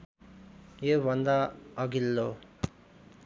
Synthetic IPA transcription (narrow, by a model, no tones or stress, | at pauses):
jebʱʌnd̪aʌɡilːo